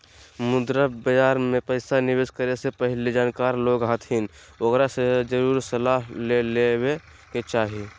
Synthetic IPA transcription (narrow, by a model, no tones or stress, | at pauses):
mʊd̪ɾəbəd͡ʒaːɾmẽpəɪsanɪʋeːskəɾesepəɦɪlid͡ʒaːnkaːɾloːɡɦat̪ʰɦɪn | oɡɾased͡ʒəɾuːɾsəlaːɦlelewe | ket͡ʃaːɦi